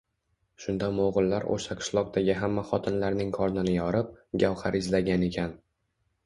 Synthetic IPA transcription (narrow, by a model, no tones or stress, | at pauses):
ʃʊnd̪amoʁɨlˠːaɾʔo̰ʃaqʰɨ̥ʃlˠɒq̚d̪aɡʲɪɦamːaχɒt̪ʰɪnlaɾnɪŋkʰɒɾnɪnɪjɒɾɪp̚ɡʲawhaɾɪzlaɡʲane̞kʲʰan